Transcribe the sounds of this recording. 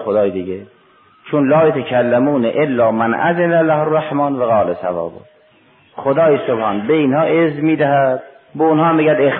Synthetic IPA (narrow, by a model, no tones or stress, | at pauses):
xod̪ɒːjed̪iːɡe | t͡ʃʰunlɑːjot̪ʰækʰælːæmuːneʔelːɑːmænʔæ̰zɪnælæhorːaħmɑːnvaɣɑːlesæ̰vɑ̰ːbo̰ | xod̪ɒːjesobhɑːnbeiːnhɑːʔezmiːd̪æɦæd̪̥̚ | beunhɑːmiːɡæd̪ex